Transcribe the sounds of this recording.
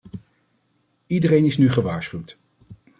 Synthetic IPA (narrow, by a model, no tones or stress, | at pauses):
idəɾejnɪsnyχəʋaːɹsχywt